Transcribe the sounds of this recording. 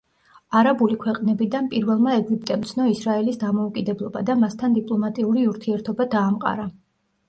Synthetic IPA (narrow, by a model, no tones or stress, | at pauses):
aɾabulikʰwɛqʼnɛbid̪anpʼiɾvɛlˠmaɛɡip̚ʼt̪ʼɛmt̪sʰnɔisɾaɛlisd̪amɔukʼid̪ɛblˠɔba̰d̪amast̪ʰand̪ipʼlˠɔmat̪ʼiuɾiuɾt̪ʰiɛɾt̪ʰɔbad̪aːmqʼa̰ɾa